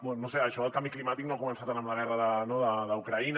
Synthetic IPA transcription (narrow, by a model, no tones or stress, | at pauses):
bɛnoseəʃɔəlˠkambiklimat̪iknoakumənsat̪anəmləɣ̞ɛrəðənoðəðəukɾəin